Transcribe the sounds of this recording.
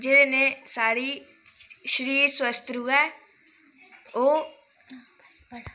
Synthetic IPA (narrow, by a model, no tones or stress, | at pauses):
d͡ʒeːɾeːnẽːsaːɽiː | ʃəɾiːɾswəst̪ɾuːɛː | oː